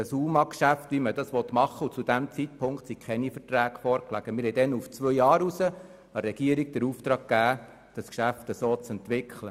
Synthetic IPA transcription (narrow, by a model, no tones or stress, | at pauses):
əsumɑkʃæft̪ʋimədɑsʋɔt̪mɑχːəut͡sud̥æmt͡sit̚pʰʊŋkt̪sikʰχɛnifərtɾæːɡfɔːɾklæ̰ɡ̥əmɪɾɦɛɪdɛnuft͡sʋœjjɑːɾusə | ɑɾɛɡ̥iəɾiɡ̚dəɾuft̪ɾɑːɡ̚kːæː | d̥ɑskʃæftəsoːt͡sɛnt̪ʋɪkʰχlə